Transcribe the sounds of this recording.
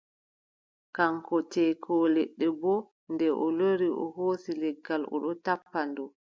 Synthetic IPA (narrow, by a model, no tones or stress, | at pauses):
kaŋkɔtɛkʰɔːlɛɗːɛbɔ | ndɛʔɔloɾiɔ̰hoːsilɛɡːalʔɔ̰ɗɔtapːandɔ